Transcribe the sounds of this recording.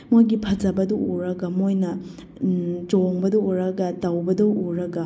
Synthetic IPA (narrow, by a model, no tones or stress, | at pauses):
mojɡipʰɐd͡ʒɐbɐduuɾɐɡɐmojnɐ | d͡ʒoŋbɐdɐwuɾɐɡɐtɐwbɐdɐwuɾɐɡɐ